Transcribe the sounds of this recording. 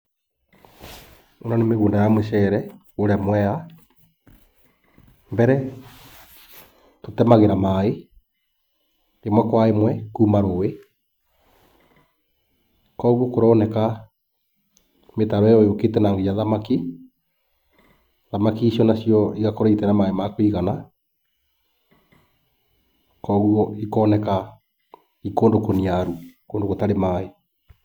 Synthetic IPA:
onɔnemeɣuːndajamweʃɛɾɛ | oɾɛmwɛa | mbɛɾɛ | totɛmaɣeɾamae | ɾemwɛkwaemwɛkuːmaɾoe | kɔɣukoɾɔːnɛka | metaβɛɔjoketɛnaːŋɡejaðamaki | ðamakiːsjɔnasjɔiɣakoɾaitɛnamaemakwiɣana | kɔɣuɔikɔːnɛka | ikoːndokoniaɾukoːndokotaɾemaːe

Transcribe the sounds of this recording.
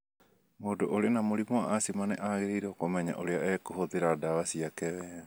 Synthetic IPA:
modoʔoɾenamoɾimoa̰ʔasimanɛʔaːɣeɾeiɾokomɛɲa̰ʔoɾeaekoɦoðeɾadaβasiakɛβɛ

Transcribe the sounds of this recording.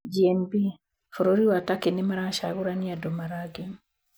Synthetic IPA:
d͡ʒiɛnbi | fɔɾoɾiwatakenɪmaɾaʃaɣuɾaniadɔmaɾaɡin

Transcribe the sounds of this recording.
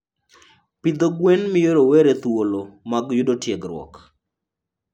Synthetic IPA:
pɪd̪oɡwenmɪjoɾoweɾet̪wolomaɡjʊdotjɛɡɾwɔ̰k

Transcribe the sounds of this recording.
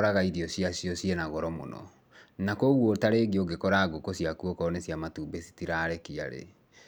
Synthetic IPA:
ɾaɣaiɾiɔsiasiɔsienaɣɔɾɔmo̰nɔ̰ | nakoɣwotaɾeɡioɡekɔɾaɡokosjakuɔkɔnesjamatuːbesi̥tiɾaːɾɛkia̰ɾḛ

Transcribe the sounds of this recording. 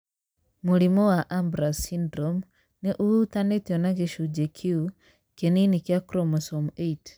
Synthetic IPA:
muɾimɔwaʔambɾasindɾɔm | neʔuutanetiɔnaɡeʃud͡ʒekʰju | keninikjakɾɔmasɔmeit

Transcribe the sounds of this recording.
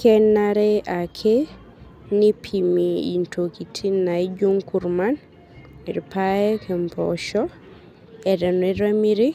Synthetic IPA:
kɛnːaɾɛʔakʰɛ | nipʰimiḭntʰokitʰinajd͡ʒuŋkuɾman | miɾipajɛkɛmpɔ̰ʃɔ | ɛdɛnɛɾamiɾi

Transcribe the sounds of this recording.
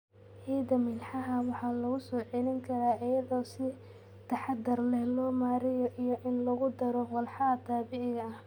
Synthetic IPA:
hiːd̪ɐmɪnħɑɦɐwɑħɑːnlɐɣʊsɔːʕɛlɪŋkʰɐɾaːɪjɐðɔːsɪ | t̪ʰɐħɑd̪ɐrlɛhlɔːmaːɾɪjɔʔijɔʔɪnlɐɣʊd̪ɐɾɔwɑlħɑɐt̪ʰaːbɪʕɪɣɐɐh

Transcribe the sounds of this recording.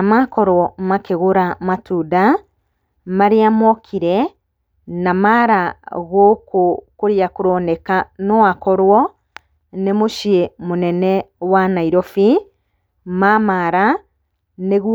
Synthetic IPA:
amakɔɾwɔmakeɣoɾamatuda | maɾeamɔkʰiɾɛ | namaɾaɣokokoɾiakoɾɔnɛkanɔakɔɾwɔ | nemoʃiemonɛnɛwanaiɾɔfi | mamaɾa | neɣ

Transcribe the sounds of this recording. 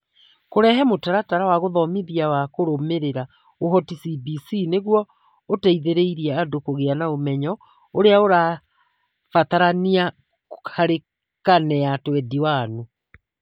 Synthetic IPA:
koɾɛɦɛmotaɾataɾawaɣoðɔmiðiawakoɾomeɾeɾa | oɦɔtisibisineɣwɔ | otaiðeɾeiɾiɛadokoɣeanaomɛɲɔ | oɾeaoɾa | fat̪aɾania | aɾe | kanɛatwɛdiwaːno

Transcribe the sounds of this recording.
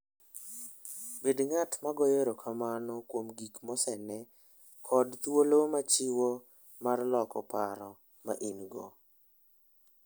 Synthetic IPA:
bedŋatmaɡɔjeɾokʰamanɔkwomɡikmɔsɛnɛ | kʰɔdt̪wolomat͡ʃɪwo | marlɔkɔpaɾɔ | ma̰ʔinɡɔ̰

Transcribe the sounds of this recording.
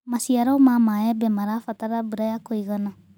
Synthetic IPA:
masiaɾɔwmamaɛbɛmaɾafat̪aɾabuɾajakɔjɣana

